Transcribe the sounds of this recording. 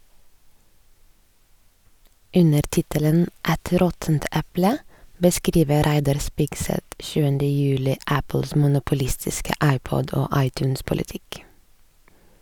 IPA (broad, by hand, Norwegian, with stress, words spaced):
ˈʉnəɾ ˈtɪtələn ˈɛt ˈɾɔtnt ˈæplə bəˈskɾiːʋə ˈɾæɪdɑɾ ˈspɪɡsɛt ˈʃʉːəndə ˈjʉːlɪ ˈæpl̩s mʊnʊpʊˈlɪstɪskə ˈɑɪˌpɔd ˈoː ˈɑɪˌtjʉːns pʊlɪˈtɪk